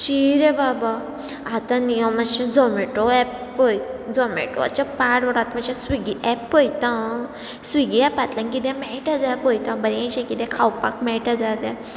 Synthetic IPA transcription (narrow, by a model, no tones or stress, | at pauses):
ɕiɾẽbaba | at̪ãnijəmːəɕĩd͡zɔmeʈɔɛpː | əj̪d͡zɔmḛʈo̰a̰t͡ɕapaɽʋəɽat̪məɕãsʋiɡiʔɛpːəjt̪ã | sʋiɡiɛpat̪lãŋkid̪ɛ̃mɛʈad͡zapəjt̪ãbəɾẽɕɛ̃kid̪ɛ̃kʰawpakmɛʈad͡zat̪ɛ̃